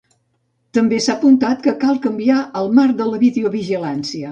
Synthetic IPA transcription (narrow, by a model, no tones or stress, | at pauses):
t̪əmbesapunt̪at̪kəkalˠkəmbiaəlˠmarðələβiðeoβiʒilansiə